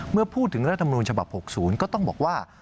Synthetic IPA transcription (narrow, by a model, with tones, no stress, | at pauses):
mɯ˥˩ɐpʰuː˥˩t̪ʰːɯ˩˦ɾa˦˥t̪̚ʰːa˧ma˧nuː˧nt͡ɕʰa˧ba̰˨˩p̚ho˨˩k̚suː˩˦nkɔː˥˩t̪ɔ˥˩ŋbɔ̰ː˨˩k̚waː˥˩